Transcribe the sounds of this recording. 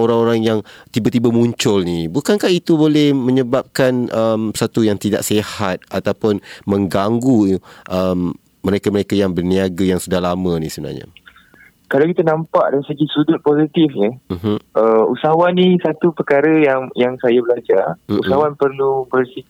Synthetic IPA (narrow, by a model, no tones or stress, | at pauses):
oɾaŋoɾaŋjaŋ | t̪ibat̪ibamũɲt͡ʃʊlnibukankahit̪ubolɛhmə̃ɲəbap̚kanʔəmsat̪ujaŋt̪ida̰ʔsehat̪̚at̪awpʊnmə̃ŋɡaŋɡuʔəmː | əɾekaməɾekajaŋbərniaɡajaŋsudahlamə̃nisəbəna̰rɲə̰ | kalawkit̪anãmpaʔdansəɡisudʊt̪̚pozit̪ɪfɲəm̩ɦ̩əusaɦwanisat̪upəkaɾəjaŋjaŋsajabəlad͡ʒarusaɦwanpərlubərsi